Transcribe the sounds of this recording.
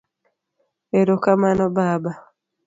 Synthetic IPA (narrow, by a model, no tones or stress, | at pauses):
eɾokamanɔbaːba